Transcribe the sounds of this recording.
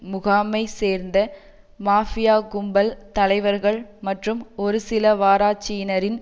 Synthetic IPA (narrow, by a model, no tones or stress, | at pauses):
mʊɣaːmɐɪseːɾnd̪ɐ | maːfɪjaːɡʊmbɐlt̪ɐlɐɪʋɐɾɣɐɭmɐʈrɯmɔɾɯsɪlɐʋaːɾaːt͡ʃɪjɪnɐɾɪn